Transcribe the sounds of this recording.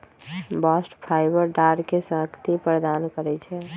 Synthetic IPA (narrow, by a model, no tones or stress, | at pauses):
basʈpʰaɪbəɾɖaɾkesə̃ɦkt̪ipɾəd̪ankəɾɛt͡ʃʰɛ